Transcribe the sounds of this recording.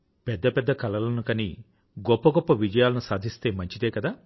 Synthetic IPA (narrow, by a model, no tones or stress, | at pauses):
pɛd̪ːɐpɛd̪ːɐkɐlɐlɐnukɐni | ɡɔpːɐɡɔpːɐʋid͡ʒɐjaːlɐnusaːd̪ʱist̪e̞ːmɐɲt͡ʃid̪e̞ːkɐd̪aː